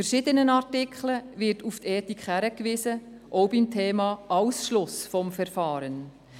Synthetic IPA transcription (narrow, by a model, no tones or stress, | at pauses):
fɛɾʃɪdənənɑrtɪkʰχləvɪɾtuftɛːtikχhæɾəkʋɪːsə | ʔɔwbimtʰeːmɑːʔɑwsʃlʊsfɔmfɛɾfɑːɾən